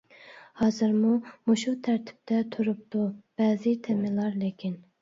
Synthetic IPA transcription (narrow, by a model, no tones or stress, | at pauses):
hɑːzɨɾmumuʃut̪ʰæɾt̪ʰɪ̥p̚t̪ʰɛt̪ʰuɾup̚t̪ub̥ɛzɪt̪ʰemɪlˠɑɾlekʲʰin